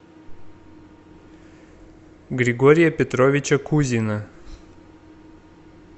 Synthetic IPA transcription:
ɡɾʲɪɡoɾʲɪjɐpʲɛt̪ɾovʲɪt͡ɕɐkuzʲinɐ

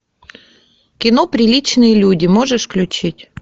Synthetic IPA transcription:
kʲɪnopɾʲɪlʲit͡ɕnɨjəlʲudʲɪmoʐɨʂklʲʊt͡ɕitʲ

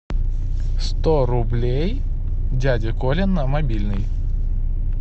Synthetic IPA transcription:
st̪oɾʊblʲej | dʲædʲɪkolʲɪnːəmɐbʲilʲnɨj

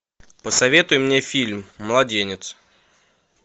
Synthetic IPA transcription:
pəsɐvʲe̞t̪ʊjʊmnʲefʲilʲmːəlˠɐdʲenʲɪt̪s

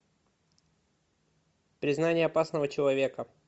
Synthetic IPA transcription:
pɾʲɪznanʲɪjəɐpasnəvət͡ɕɪlˠɐvʲe̞kə

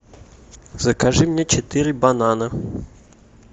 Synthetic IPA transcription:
z̥əkaʐɨmnʲet͡ɕet̪ɨɾʲɪbananə

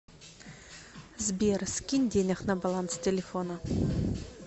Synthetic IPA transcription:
zʲbʲersʲkʲinʲdʲenʲaχnabalˠant̪stʲelʲefonə

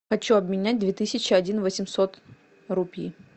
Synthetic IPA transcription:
xɐt͡ɕuɐbmʲɪnʲæt̚ʲd̪vʲet̪ɨsʲɪt͡ɕɪɐdʲinvəsʲɪmsot̪ | ɾupʲḭ

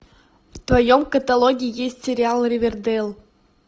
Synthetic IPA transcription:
ft̪vajomkət̪alˠoɡʲiːjesʲtʲsʲeɾʲialˠrʲevʲerd̪elˠ

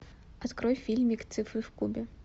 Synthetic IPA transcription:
at̪kɾɔjfʲilʲmʲikt̪sɨfɾɨfkubʲɛ

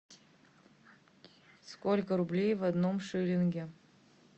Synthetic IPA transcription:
skolʲkəɾublʲejvɐd̪nomʂɨlʲɪnɡʲe

